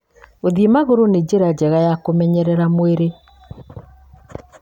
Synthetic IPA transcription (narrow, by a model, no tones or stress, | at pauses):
oðiemaɣoɾoned͡ʑeɾad͡ʒɛɣajakomɛɲɛɾɛɾamoeɾe